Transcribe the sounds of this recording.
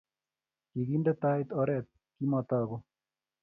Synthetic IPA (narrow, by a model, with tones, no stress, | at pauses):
ki˨ɡi˦ndɛ˦t̪a˦it̪ɔɾɛt̪̚ | ki˦mɔ˨t̪aɡo˦